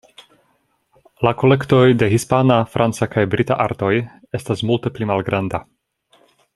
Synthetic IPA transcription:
lako̞le̞kto̞jde̞ɦispanafɾʔant͡sakajbɾita̰ʔaɾto̞j | e̞stasmulte̞plimalɡɾanda

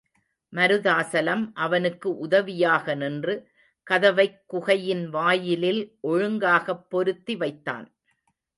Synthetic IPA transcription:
mɐɾɯðaːsɐlɐmʔɐʋɐnɯkːɯʔʊðɐʋɪjaːɣɐnɪndrɯ | kɐðɐʋɐɪkːʊɣɐjɪnʋaːjɪlɪlʔɔɻɯŋɡaːɣɐpːɔɾɯt̪ːiʋɐɪt̪ːa̰ːn

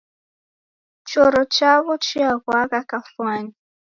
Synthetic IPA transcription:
t͡ʃɔɾɔt͡ʃaβɔt͡ʃiaɣwaɣakafwaɲi

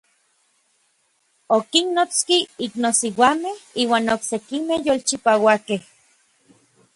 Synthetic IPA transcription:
okinnot͡skiiknosiwamehiːwaːnoksekimehjoːlt͡ʃipawakeh

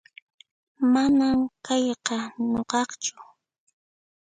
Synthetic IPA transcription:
manamkɑjqɑɲoqɑχt͡ʃʊ̥

